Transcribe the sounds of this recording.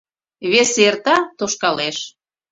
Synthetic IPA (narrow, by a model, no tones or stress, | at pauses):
βesert̪ɑt̪oʃkɑleʃ